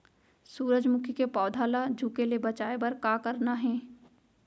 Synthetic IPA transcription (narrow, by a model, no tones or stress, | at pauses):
suːɾəd͡ʒmʊkʰjkepɔːd̪ʱaːlad͡ʒʱuːkelebɐt͡ʃaːebəɾkaːkəɾnaɦɛ̃ː